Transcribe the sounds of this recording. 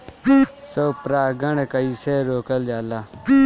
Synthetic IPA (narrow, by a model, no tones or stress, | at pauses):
soːpɾaːɡəɳkəiːseːɾoːkəld͡ʒaːlaː